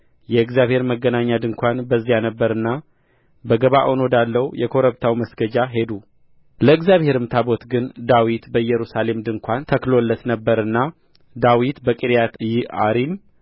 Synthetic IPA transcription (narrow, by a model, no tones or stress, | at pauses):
jɛɨɡzjaβhe̞ɾməɡːənaɲːad̪ɨŋkʷanbəzːijanəbːəɾɨnːa | bəɡəβaʔono̞d̪alːəwjɛkʰo̞ɾəβt̪ʰawməsɡ̥əd͡ʒaɦe̞d̪u | ləɨɡzjaβhe̞ɾɨmt̪ʰabo̞t̪ɡɨnd̪awit̪bəjɛɾusale̞md̪ɨŋkʷant̪ʰəklo̞lːət̪nəbːəɾɨnːa | d̪awit̪bəkʼiɾjat̪jɪaɾim